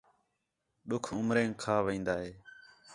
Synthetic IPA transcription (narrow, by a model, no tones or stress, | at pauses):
ɗʊkʰʊmɾẽːŋkʰaːʋĩːnd̪aːɦeː